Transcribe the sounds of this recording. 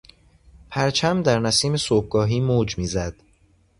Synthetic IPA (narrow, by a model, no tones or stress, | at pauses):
pʰæɾt͡ʃʰæmd̪æɾnæsiːme̞soːb̚ɡɒːɦiːmoːd͡ʒmiːzæd̪̥